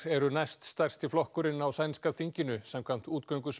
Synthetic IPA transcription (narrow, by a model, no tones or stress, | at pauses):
ɛɾʏnajst̪st̪ar̥st̪iflɔhkʏɾɪnːawsaːjniskaθiɲcɪnʏsɛmkʰvam̥t̪uːt̪̚kœɥŋkʏs